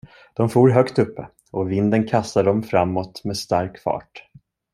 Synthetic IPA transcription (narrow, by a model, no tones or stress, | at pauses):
d̪̥ɔmfuːɾɦœkt̪ɵpːə̰ | ɔvɪnd̪ənkʰast̪aɖɔmfɾamːɔt̪mɛːst̪aɾkfɑ̰ːʈ